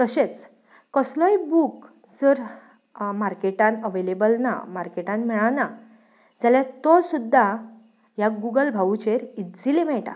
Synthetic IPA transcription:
t̪əɕet͡s | kəslɔjbuk | d͡zəɾ | maɾkeʈãnəʋelebəlna̰maɾkeʈãnmɛɭana | d͡zaljat̪ɔsud̪ʱːa | jaɡuɡəlbʱaut͡ɕeɾit̪d͡zilemɛɭʈa̰

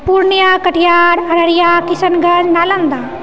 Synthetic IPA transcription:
puɾɳjakɐʈʰijaːɾɐɾɐɾijaːkisɐnɡʱɐd͡ʒnaːlɐnd̪a

